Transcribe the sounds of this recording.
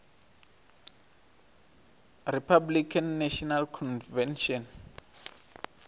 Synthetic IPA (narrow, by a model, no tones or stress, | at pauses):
ripʰablikʰanːaʃɔnalkʰɔnvɛnʃɔn